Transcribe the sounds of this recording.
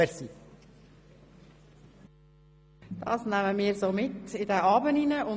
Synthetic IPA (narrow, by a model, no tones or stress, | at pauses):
ɛsi | d̥ɑ̰ːsnæməmiːɾzoːmɪtɪdɛʔɑːbəninəʔʊ